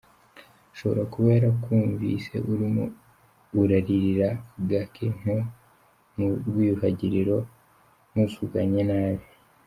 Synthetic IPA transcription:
ʃo̞βoɾakuβe̞ːɾakʰuːɱvḭse̞̰ʔuɾimuː | ɾaɾiɾiɾaɡakʰen̥o | muɾɡwiːhaɟiɾiɾo̞ | nusuɡaɲenaːβi

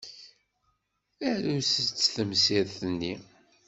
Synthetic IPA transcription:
ælusət͡sːθəmsiðθənːi

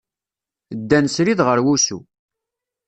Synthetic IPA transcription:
d̪ːænsɾiðʁəɾwusṵ

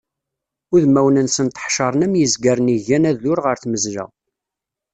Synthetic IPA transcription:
ʊðmæwnənsənt̪ə̥ħʃɑɾˤənæmjəzɡæɾˤniʝænæðʊɾʁəɾθməzlæ̰

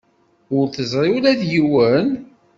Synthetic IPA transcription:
ʊɾθəzɾˤiwlæðjiwən

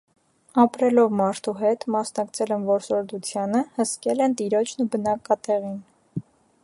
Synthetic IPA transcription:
ɑpɾɛlɔvmɑɾt̪ʰuɦɛt̪mɑsnɑkt͡sʰɛlɛmvɔɾsɔɾd̪ut͡sʰjɑnəhəskɛlɛnt̪iɾɔt͡ʃʰnubənɑkɑt̪ɛʁin

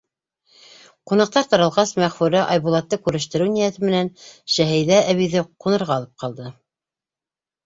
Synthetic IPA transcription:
qunɑq̚t̪ɑɾt̪ɑɾɑ̆lˠʁɑsmæχfʉɾæʔɑjβulˠɑt̪ːɤkʉɾɘ̆ʃt̪ɘ̆ɾɘwnijæt̪ɘmɘ̆nænʃæɦɘ̆jðææβiðɘqunɤ̆ɾʁɑːlˠɤp̚qɑlˠd̪ɤ

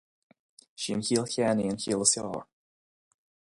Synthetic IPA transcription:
ʃiənçiːlˠçɛːniənçiːlˠəsjɔ̰ːɹ

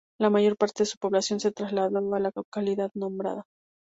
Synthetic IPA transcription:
lamaʝo̞ɾpaɾt̪e̞ðe̞su̥po̞βlasjo̞nse̞t̪ɾazlaðoalakakaliðaðnõ̞mbɾa̰ða

